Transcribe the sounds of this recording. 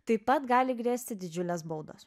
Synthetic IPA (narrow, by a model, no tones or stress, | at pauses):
t̪ɐɪpɐt̪ɡɑːlʲɪɡɾʲeːsʲt̪ʲɪd̪ʲɪd͡ʒʲʊlʲɛsbɐʊd̪ɐ̰s